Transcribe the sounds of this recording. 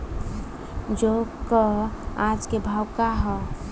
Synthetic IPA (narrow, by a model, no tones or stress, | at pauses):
d͡ʒokəad͡ʒkebʱawkaɦɛ